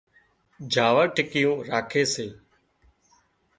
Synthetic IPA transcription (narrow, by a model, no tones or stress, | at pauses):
d͡ʒʱaːʋəːʈʰɪkɪjõːɾaːkʰeːseː